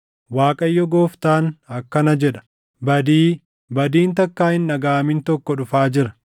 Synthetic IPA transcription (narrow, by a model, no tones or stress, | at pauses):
waːkʼɐjːɔɡoːft̪aːnɐkːɐnɐd͡ʒɛᶑɐ̥ | bɐd̪iː | bɐd̪iːnt̪ɐkːaːhɪnːɐɡaːmint̪ɔkːɔᶑʊfaːd͡ʒɪɾɐ̥